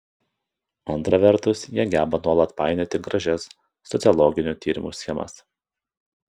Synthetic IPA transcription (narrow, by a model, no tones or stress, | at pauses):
ɐnt̪ɾɐʋʲɛɾt̪ʊsjiɛɡʲæːbɐnuɔlˠɐt̪pɑˑɪnʲeːt̪ʲɪɡɾɐʒʲɛsː | ɔt̪sʲɪɔlˠɔɡʲɪnʲuːˑt̪ʲiːɾʲɪmṵːsʲxʲɛmɐ̰s